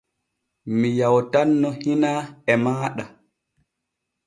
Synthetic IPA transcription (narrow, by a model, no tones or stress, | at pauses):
mijawtanːɔhinaɛmaːɗa